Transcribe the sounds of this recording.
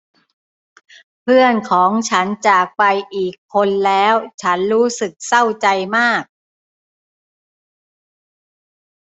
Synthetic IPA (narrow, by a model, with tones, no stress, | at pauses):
pʰɯ˥˩ənkʰɔː˩˦ŋt͡ɕʰa˦˥nt͡ɕaː˨˩k̚pa˧jʔiː˨˩kʰːo˧nlɛː˦˥wt͡ɕʰa˦˥nɾuː˦˥sɯ˨˩k̚sa˥˩wt͡ɕa˧jmaː˥˩k̚